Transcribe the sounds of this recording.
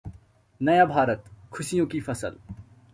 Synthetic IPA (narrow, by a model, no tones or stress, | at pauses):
nɐjabʱaːɾət̪kʰʊsijõkifʰɐsə̰l